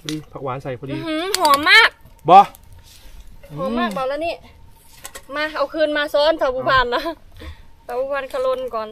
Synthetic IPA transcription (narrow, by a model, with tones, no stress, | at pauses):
ɔ˧diː˧pʰaː˧k̚waː˨˦nsa˨˩jpʰɔː˧di˧hɯ˧˥hɔː˨˦maː˥˩k̚bɔː˧ | hɔː˨˦maː˧˥˩k̚baː˨˩wla˧niː˧˩˨ | maː˧ʔa˧˩wkʰɯː˧˨nmaː˧sɔː˧˥˨nt̪ʰa˧˩puː˧pʰaː˧˨nla˧˦ | sʰa˧˩pʰuː˧˩pʰaː˧˥˨nkʰa˧lo˧˨nkɔː˨˩n